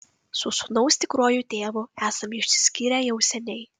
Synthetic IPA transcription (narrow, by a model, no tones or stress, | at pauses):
sʊsʊnɒʊsʲt̪ʲɪkɾoːjut̪ʲeːʋʊæːsɐmɪʃʲsʲɪ̥sʲkʲiːɾʲɛjɛʊsʲɛnʲɛɪ